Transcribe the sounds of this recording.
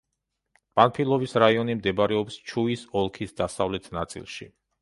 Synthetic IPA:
pʼanpʰilˠɔvisɾaiɔnimd̪ɛbaɾɛɔpst͡ʃʰuisɔlˠkʰisd̪asavlɛt̪ʰnat̪sʼḭlˠʃḭ

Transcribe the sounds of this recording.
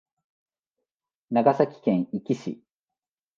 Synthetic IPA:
naɡasakʲi̥kẽɰ̃ikʲiɕḭ

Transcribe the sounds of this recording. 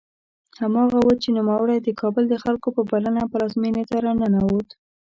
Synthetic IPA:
hamɑɣawət͡ʃenumawəɽajd̪əkɑbəld̪əxalkopəbalənaplɑzmenet̪aɾanənawot̪

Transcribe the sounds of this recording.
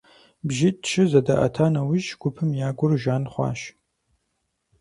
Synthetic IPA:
bʒɪtʃɨzɐdɐʔɐ̰tʰaːnɐwiʒɡ̥ʷʊpʰɨmjaːɡʷʊrʒaːnχʷɑ̰ːʃ

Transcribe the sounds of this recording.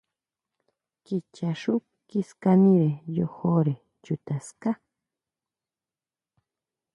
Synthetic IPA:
kit͡ʃaʂʊ | kiskaniɾejoxoɾe | t͡ʃʊt̪aska

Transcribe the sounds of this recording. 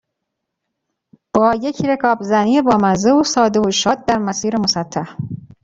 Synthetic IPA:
b̥ɒːje̞cʰɾe̞kʰɒːbzæniːebɒːmæzeosɒːd̪eoʃɒːd̪̚d̪æɾmæsiːɾemosæt̪ʰːæh

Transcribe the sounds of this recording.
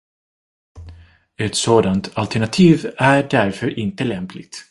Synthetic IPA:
ɛt̪soːd̪ant̪ʰalt̪ʰæɳat̪ʰiːvæɖæɾfœɾʔɪnt̪əlɛmplɪ̰ɡ̚t̪

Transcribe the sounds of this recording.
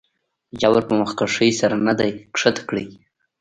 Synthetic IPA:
d͡ʒawaɾpəmaxkaʂəjsaɾanad̪ajkʂət̪kɽij

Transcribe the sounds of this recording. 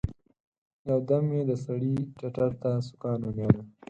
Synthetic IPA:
jawd̪amjed̪əsaɽit͡ʃaʈaɾt̪asʊ̥kɑːnʊnjanə

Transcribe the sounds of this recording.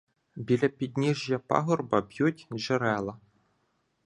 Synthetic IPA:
bʲilʲɐpʲid̪ʲnʲiʒjɐpa̰ɦɔrbɐbjutʲʒeɾɛlˠɐ

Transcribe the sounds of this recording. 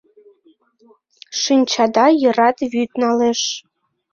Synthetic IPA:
ʃɨnʲt͡ɕɑd̪ɑjɤ̆ɾɑt̪βyt̪nɑleʃ

